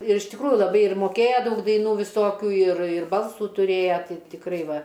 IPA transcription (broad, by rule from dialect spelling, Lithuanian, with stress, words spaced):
ɪr ɪʃ tʲɪkˈruːjʊ lˠɐˈbɐɪ ɪr moːˈkʲeːjɛ ˈdɐʊk dɐɪˈnuː ʋʲɪˈsoːkʲuː ɪr ɪr ˈbɐlˠsuː tʊˈrʲeːjɛ ˈtɐɪ tʲɪkˈrɐɪ ˈʋɐ